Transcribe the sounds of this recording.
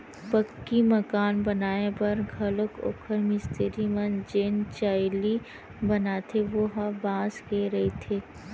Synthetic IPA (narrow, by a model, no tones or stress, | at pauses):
pɐkːimɐkaːnbɐnaːepɐɾɡʱɐləko̰ːkʰəɾmɪst̪eɾimɐnd͡ʒeːnt͡ʃaːɪli | bɐnaːt̪ʰeʋoɦɐbãːskeɾɐet̪ʰeː